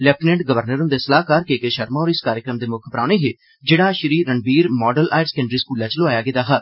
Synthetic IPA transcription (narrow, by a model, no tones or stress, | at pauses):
lɛːpnẽɳʈɡəʋəɾnəɾnd̪eːsəlaːɦkaɾkeːkeːʃəɾmãːɔːɾɪskaːɾjəkɾəmd̪eːmʊkʰbɾaːneːɦeː | d͡ʒeːɽaːʃəɾiːəɳbiːɾmɔːɖəlʔa̰ːɪɾskẽːɳɖɾiːskuːlãːt͡ʃlʊaːjaːɡɪd̪aːɦaː